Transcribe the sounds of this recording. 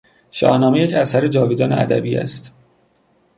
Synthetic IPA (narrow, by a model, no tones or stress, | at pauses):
ʃɒ̰ːhnɒːmejecʰæsæɾed͡ʒɒːviːd̪ɒːnḛæ̰d̪æ̰biːæ̰st̪